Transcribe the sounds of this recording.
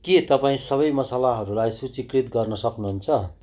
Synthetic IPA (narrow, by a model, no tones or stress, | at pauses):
ket̪ʌpaĩsʌβʌjmʌsalaɦʌɾulajsut͡sikrit̪ɡʌrnʌsʌknuɦunt͡sʰʌ